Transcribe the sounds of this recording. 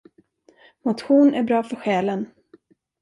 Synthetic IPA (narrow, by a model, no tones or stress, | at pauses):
mʊt̪ɧuːnʔæɾbɾɑːfœɾɧɛːlən